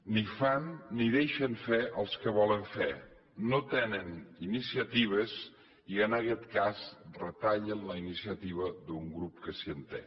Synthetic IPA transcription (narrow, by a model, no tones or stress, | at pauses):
nifanːiðeʃəɱfeʔəlˠskəβɔləɱfe | not̪ɛnəninisiət̪iβ̞əz | iənəkɛt̪kazrət̪aʎənləinisiət̪iβ̞əðuŋɡɾup̚kəsiənt̪ɛ̰